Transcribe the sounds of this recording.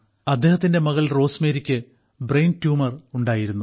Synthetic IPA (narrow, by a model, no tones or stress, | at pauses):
ɐd̪ːe̞ːhɐt̪ːinde̞mɐɣɐɭro̞ːsme̞ːɾikʲːɨ | brejntjuːmɐruɳɖaːjiɾunːu